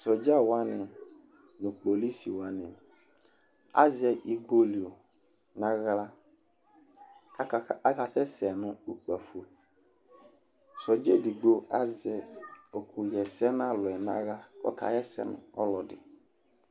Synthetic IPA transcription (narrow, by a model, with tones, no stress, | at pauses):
sɔ˨d͡ʒa˦wa˦nɪ̃˨ | nʊ̃˨k͡po˨li˦si˨wa˦nɪ̃˨ | a̰˦zɪ˨ɛ˨ʔi˨ɡ͡bo˦li˨o˨ | nã˦ɣla˦˨˦ | ka˨sɛ˦sɛ˨nʊ̃˦u˨k͡pa˨fu˨o˨ | sɔ˨d͡ʒe˦di˨ɡ͡bo˦a˦zɪ˨ɛ˨o˨kʰʊ˨jɛ˨sɛ˦n˦ã˦lʊ˨ɛ˨nã̰˦ɣa˦kɔ̰˦kʰa̰˨jɛ˦sɛ̰˨nʊ̰̃˨ɔ˦lɔ˨dɪ˨